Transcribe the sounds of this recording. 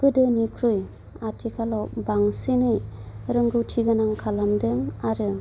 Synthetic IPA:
ɡ̥ɯdɯnikʰɾuj | atʰikʰalɔbaŋsinɯjɾɯŋɡɯwtʰiɡɯnaŋkʰalamdɯŋaɾɯ

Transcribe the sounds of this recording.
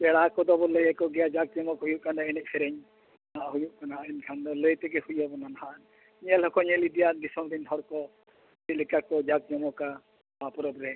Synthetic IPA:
bɛɽakɔd̪ɔbɔləjɛkɔɡɛjad͡ʒak̚d͡ʒɔmɔkɦujuʔkand̪aɛnɛk̚pʰɛɾɛɲ | aʔɦujuʔkanainkʰand̪ɔləjt̪ɛɡɛhujabɔnanaɦaʔn | ɲɛlɦɔkɔɲɛlid̪ijad̪isɔmd̪iɲt̪ʰɔɾkɔ | ɛlikakɔd͡ʒak̚d͡ʒɔmɔka | bapɔɾɔbɾɛ

